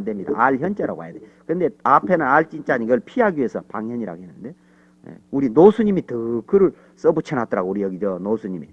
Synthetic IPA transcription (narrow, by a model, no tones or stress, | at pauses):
ndemɲida̰aɭçjʌnt͡ɕ͈eɾa̰ɡoɦa̰jadekɯɯnd̪e̞apʰe̞nɯnaɭt͡ɕ͈int͡ɕ͈aɲiɡʌɭpʰiɦaɡiie̞sʰʌpaŋjʌɲiɾa̰ɡoɦenːɯnde̞ | jḛuɾinosʰuɲimitɯkɯɾɯɭ | s͈ʌbut͡ɕʰʌnɦadʌɾaɡouɾijʌɡid͡ʑʌnosʰuɲimḭ